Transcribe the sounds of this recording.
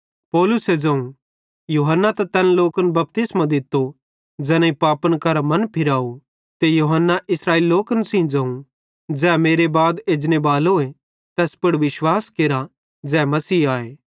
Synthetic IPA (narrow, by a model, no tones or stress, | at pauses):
pɔːlʊsed͡ʒɐ̃ːũ | juːɦənːat̪ɐt̪ɛːnloːkənbɐp̚t̪ɪsmãd̪ɪt̪ːo | d͡ʒɐnẽipaːpənkɐɾamɐnpʰɪɾaːu | t̪ejuɦənːaʔɪsɾaːeːliloːkənsĩːd͡ʒɐ̃ːũ | d͡ʒɛːmeːɾebaːd̪eːd͡ʒnebaːloːe | t̪ɛːspʊɽʋɪʃwaːskeːɾa | d͡ʒɛːmɐsiːaːeː